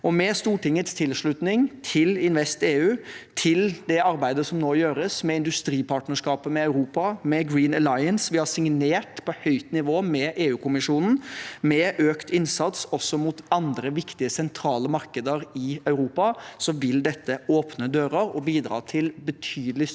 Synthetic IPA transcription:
ɔmɛst̪uːʈɪŋːət̪st̪ʰɪlʂɭʉt̪nɪŋt̪ʰɪlɪnʋɛst̪eːʉːt̪ʰɪld̪ɛɑɾbæɪd̪əsɔmnoːjøːɾəsmɛɪnd̪ʉst̪ɾiːpʰɑːʈnəʂkɑːpəmɛɑʉɾuːpɑmɛɡɾiːnəlɑɪənsʋɪhɑsɪŋneːʈpʰɔhœʏt̪nɪʋoːmɛʔeːʉːkʰʊmɪʂuːnn̩mɛʔøːkt̪ɪnsɑt̪sɔsːɔmʊt̪ɑnd̪ɾəʋɪkt̪ɪəsɛnt̪ʰɾɑːləmɑɾkəd̪əɾɪœʉɾuːpɑsɔʋɪld̪ɛt̪ːəoːpnəd̪øːɾəɾɔbiːd̪ɾɑ̰ːt̪ʰɪlbət̪ʰyːd̪əlɪ

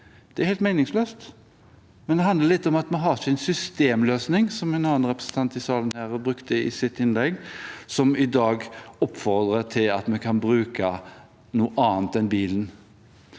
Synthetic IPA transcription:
d̪̥ɛæɾhɛɪlt̪mɛɪnɪŋsløːst̪ | mɛnd̪ɛɦɑnd̪əɾlɪt̪ːɔmɑt̪mɛɦɑsɪnsʏst̪eːmløːsnɪŋsɔmɛnɑːənɾɛpɾəsən̩t̪ʰɑnt̪ɪsɑːlənhæːɾæbɾʉkt̪əɪ̰sɪt̪ɪnlɛɡsɔmɪd̪ɑːɡɔpːfɔɾd̪ɾət̪ʰɪlɑ̰t̪mɛkʰɑnbɾʉːkə | nuːʔɑːnt̪ɛnbiːlən

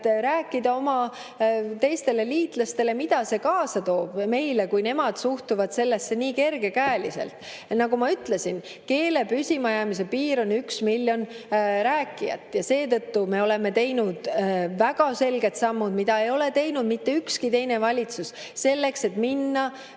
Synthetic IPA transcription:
t̪ɾæːkːˑid̪̥ɑo̞mɑ | t̪e̞jst̪e̞le̞liːt̪lɑst̪e̞le̞mid̪ɑse̞kɑːsɑt̪o̞ːb̥me̞jle̞kujne̞mɑd̪̥suht̪uvɑd̪̥se̞lːe̞sːe̞niːke̞rɡ̥e̞kæːlise̞̰lt̪ˑ | nɑɡumɑyt̪le̞sin | ke̞ːle̞pysʲimɑjɑmis̬e̞piːɾo̞nyksmilʲːjo̞nɾæːkːˑijɑ̰t̪ːˑjɑse̞ːt̪ɤt̪ːume̞o̞le̞me̞t̪e̞jnud̪̥væɡ̥ɑse̞lɡe̞t̪sɑmːud̪̥mid̪ɑe̞jo̞le̞t̪e̞jnud̪mit̪ːe̞ykskit̪e̞jne̞vɑlʲit̪sus | se̞lːe̞kse̞t̪minːɑ

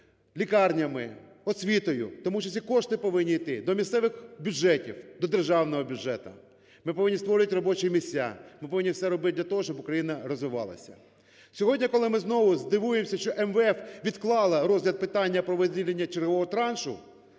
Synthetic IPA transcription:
lʲikɑrnʲɐmɪ | ɔsʲʋʲit̪ɔjʊ̰t̪ɔmuʃt͡ʃːɔsʲikɔʃt̪ɪpɔʋɪnʲːiit̪ɪd̪ɔmʲist̪ɛʋɪxbʲud͡ʒɛtʲiwd̪ɔd̪erʒɑwnɔɦɔbʲjʊd͡ʒɛt̪ɐ̰ | mɪpɔʋɪnʲːist̪ʋɔɾʲɪjɐtʲrɔbɔt͡ʃɪjmʲisʲa̰mɪpɔʋɪnʲːifsɛɾɔbɪt̪dlʲɐt̪ɔɦɔʃt͡ʃɔbʊkɾɐjinɐɾɔzʋɪʋɑ̰lˠɐ̰sʲɐ̰ | sʲɔɦɔdʲnʲɐkɔlˠɪmɪznɔʋʊzd̪ɪʋujemsʲɐʃt͡ʃɔʔɛmʋɛɛfʋʲid̪klˠɑlˠɐɾɔzʲɦlʲɐd̪̚pɪt̪ɑnʲːɐpɾɔʋɪzʲdʲilʲenʲːɐt͡ʃerɦɔʋɔɦɔt̪ɾɑnʃʊ̰

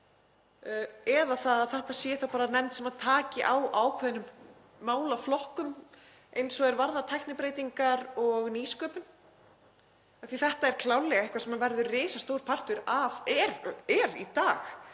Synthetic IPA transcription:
ɛðaθaðaθɛht̪asjɛθawpaːɾanɛmt̪sɛmaðt̪ʰaːcɪʔawʔawkʰvɛðɪnʏmː | aːwlaflɔhkʏm | ʔejnsɔɣɛɾvaɾðaɾt̪ʰɛjknɪpɾeːjt̪iŋkaɾɔɣniːskœːpʏn | aθiθɛht̪aɛɾ̥kʰlaːwlːɛɣaɛhkvasɛmavɛɾðʏrɪːsast̪oːwɾ̥pʰar̥t̪ʏɾavɛɾɛɾḭt̪aːx

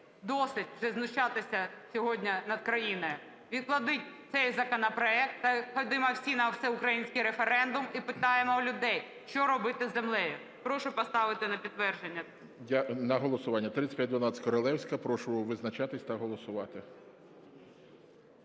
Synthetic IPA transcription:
d̪ɔsɪtʲwʒɛznʊʃt͡ʃɑt̪ɪsʲɐsʲɔɦɔdʲnʲɐnɐd̪̚kɾɐjinɔjʊ | ʋʲid̪̚klˠɐd̪ɪtʲt̪sɛjzɐkɔnɐpɾɔɛk̚t̪ːɐxɔd̪ɪmɔwsʲinɐwsɛʊkɾɐjinʲsʲkɪjɾefeɾɛnd̪ʊmipɪt̪ɑjemɔlʲʊd̪ɛj | ʃt͡ʃɔɾɔbɪt̪ɪzemlˠɛjʊ | pɾɔʃʊpɔst̪ɑʋɪt̪ɪnɐpʲid̪t̪ːʋɛrʒenʲːɐ | jʲanɐɦɔlˠɔsʊʋɑnʲːɐt̪ɾɪt̪sʲtʲpʲjad̪ʋɐnɑt͡sʲkɔɾɔlˠɛwsʲkɐpɾɔʃʊʋɪznɐt͡ʃɑt̪ɪsʲt̪ɐɦɔlˠɔsʊʋɑt̪ɪ

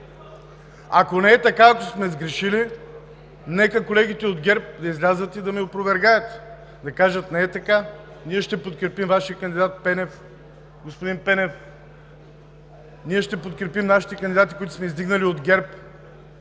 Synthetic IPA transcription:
akonɛɛt̪ɐkaːkosmɛzɡɾɛʃili | nɛkɐkolɛɡ̟it̪ɛod̪ɡʲɛɾp̚d̪ɐizlʲazət̪id̪ɐmiopɾovɛɾɡajət̪ | d̪ɐkaʒət̪nɛɛt̪ɐka | niɛʃt̪ɛpot̪kɾɛpimvaʃijəkənd̪id̪at̪̚pɛnɛf | ɡospod̪inpɛnɛf | niɛʃt̪ɛpot̪̚kɾɛpimnaʃi̥t̪ɛkɐnd̪id̪at̪ikoit̪ʊ̥smɛizd̪iɡnɐliod̪ɡʲɛɾp

